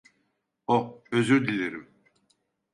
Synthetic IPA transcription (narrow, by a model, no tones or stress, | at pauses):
oøzyɾd̪ilʲeɾim